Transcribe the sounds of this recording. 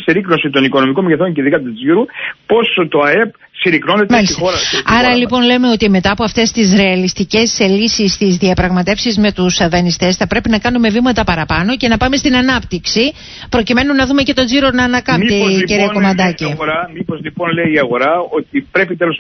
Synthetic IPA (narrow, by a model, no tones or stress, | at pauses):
siɾikno̞sit̪o̞niko̞no̞miko̞mʝeθo̞ɲceðikɐt̪uziɾupo̞sot̪o̞ɐe̞p̚ | siɾikno̞net̪mɐlisixo̞ɾɐɐɾɐlipo̞nle̞me̞o̞t̪ime̞t̪ɐːpo̞ɐft̪e̞st̪izɾe̞ɐlist̪ice̞slisist̪izðiɐpɾɐɣmɐt̪e̞fsizme̞t̪usðɐnist̪e̞sθɐpɾe̞pinɐkɐnume̞vimɐt̪ɐpɐɾɐpɐno̞ce̞nɐpɐme̞st̪inɐnɐp̚t̪iksi | pɾo̞cime̞nunːɐðume̞ce̞t̪o̞ziɾo̞nɐːnɐkɐmt̪eciɾiɐko̞mɐnd̪ɐciɣoɾɐmipo̞zlipo̞nleiːɐɣo̞ɾɐo̞t̪ipɾe̞pit̪e̞lo̞s